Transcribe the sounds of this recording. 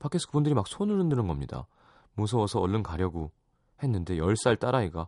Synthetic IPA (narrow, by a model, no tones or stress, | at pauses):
pʰakʰes͈ʰɯ̥kɯbundɯɾimak̚sʰonɯɾɯndɯnɯnɡʌmɲida̰ | mosʰʌwʌsʰʌʌɭːɯnkaɾjʌɡo | he̞nːɯnde̞jʌɭs͈aɭt͈aɾaiɡa